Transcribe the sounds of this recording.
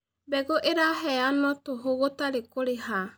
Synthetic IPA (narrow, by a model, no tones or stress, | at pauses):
bɛɣoʔeɾaɦɛanɔtoɦoɣotaɾekoɾeɦa